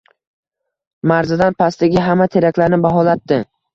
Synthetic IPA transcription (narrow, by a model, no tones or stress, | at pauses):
maɾzɪd̪anpʰast̪ɪɡʲɪɦamːat̪ʰe̞ɾakʲlaɾnɪbaɦɒlat̪ːɪ